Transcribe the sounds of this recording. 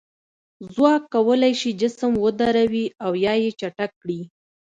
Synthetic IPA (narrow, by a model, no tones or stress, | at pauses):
zwɑkːawəlajʃid͡ʒɪsəmwəd̪aɾawiawjɑjet͡ʃaʈakːɽi